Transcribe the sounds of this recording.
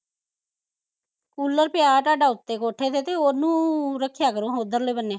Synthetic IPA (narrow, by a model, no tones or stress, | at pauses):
kuːlːəɾpɪjaːʈaːɖaːʊt̪ːeːkoːʈʰeːt̪eːt̪eːonũːɾəkʰːjaːkəɾũːɦoːd̪əɾleːbənːeː